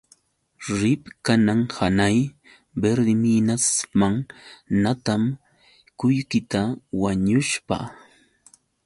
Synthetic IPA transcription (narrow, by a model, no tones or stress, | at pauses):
ɾɪpkanaŋhanaj | beɾd̪ɪminasmaŋnat̪am | kʊjkɪt̪awaɲʊʃpa̰